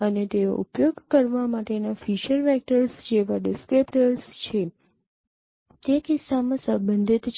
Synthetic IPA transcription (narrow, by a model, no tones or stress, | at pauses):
ənet̪eo̰ʔṵpjoɡkəɾʋamaʈenafiʃəɾʋɛk̚ʈəɾsd͡ʒeʋaɖɪskɾepʈəɾst͡ʃʰe | t̪ekisːamãsəbənd̪ʱit̪t͡ʃ